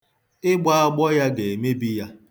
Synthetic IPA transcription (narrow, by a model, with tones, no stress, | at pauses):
ɪ˦ɡ͡ba˦a˦ɡ͡bɔ˦ja˦ɡe˨me˦bi˦ja˦